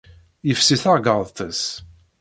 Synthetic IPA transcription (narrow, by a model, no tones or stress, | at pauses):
jəfsiθɑʁɡəðˤt̪əs